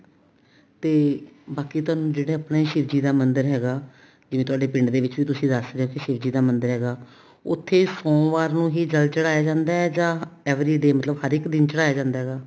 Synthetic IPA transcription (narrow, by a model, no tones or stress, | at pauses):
t̪eːbaːkiːt̪ʊaːnũːd͡ʒeːɽeːaːpneːʃɪʋd͡ʒiːd̪aːmənd̪əɾɦɛːɡaː | d͡ʒɪʋẽt̪ʊaːɖeːpɪ̃ɳɖd̪eːʋɪt͡ʃʋiːt̪ʊsĩːd̪əsɾeːɦõːkɪʃɪʋd͡ʒiːd̪aːmənd̪əɾɦɛːɡaː | ʊt̪ʰːeːsɔ̃ːʋaːɾnũːɦiːd͡ʒəlt͡ʃəɽaːjaːd͡ʒãːnd̪aːɛːd͡ʒãːɛːʋɾiːɖeːmət̪ləbhəɾɪkd̪ɪnt͡ʃəɽaːjaːd͡ʒãːnd̪aːɦɛːɡaː